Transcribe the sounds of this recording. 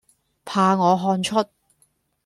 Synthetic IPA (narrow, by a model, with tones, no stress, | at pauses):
pʰaː˧ŋɔː˨˧ɦɔː˧nt͡ʃʰɵ˥t̚